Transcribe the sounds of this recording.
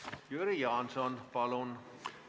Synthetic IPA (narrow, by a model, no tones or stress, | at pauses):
jøɾijɑːnsɔnpɑlɔn